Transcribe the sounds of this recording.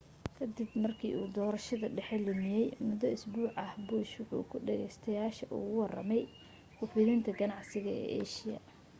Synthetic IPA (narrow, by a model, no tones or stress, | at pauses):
kʰɐd̪ɪbmɐrkʰḭːʔuːd̪ɔːɾɐʃɐðɐɖɛħɛlɪmɪjɛjmʊðɔɪsbuːʕɐhbʊʃʊħṵːkʰʊɖɛɣɛ̰jst̪ʰɐjaːʃɐʔṵːɣʊwɑrɐ̰mɛj | kʰʊfɪðɪnt̪ʰɐɡɐnɑʕsɪɣɐɛ̰ːʔɛʃɪɐ̰